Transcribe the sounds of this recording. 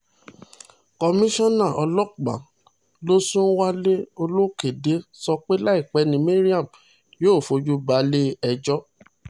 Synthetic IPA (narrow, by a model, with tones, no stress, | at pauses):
kɔ˧mĩ˦ʃɔ̃˦nã˦˨ʔɔ˧lɔ˦k͡pa̰˨ | lo˦sũ˦n̩˦wa˦le˦o˧lo˦ke˨de˨˦sɔ˧k͡pe˦la˦i˦˨k͡pɛ˨˦nĩ˧˦mĩ˦ɾi˦a˦˨m | joː˦˨fo˧d͡ʒu˦ba˨˦le˦ɛ˧d͡ʒɔ˦